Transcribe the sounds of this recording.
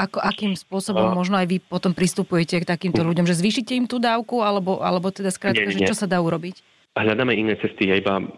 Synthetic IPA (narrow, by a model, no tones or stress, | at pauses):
ʔakɔʔakiːmspʊɔsɔbɔmːɔʒnɔajʋipɔt̪ɔmpɾist̪upujɛcɛkt̪akiːmt̪ɔʎuɟɔmʒɛzʋiːʃicɛimt̪uːd̪aːʊkualɛbɔʔa̰lɛbɔt̪ɛd̪askɾaːt̪̚kaʒɛt͡ʃɔsad̪aːuɾɔbic | ɦʎad̪aːmɛinːɛːt͡sɛst̪ijɛiba̰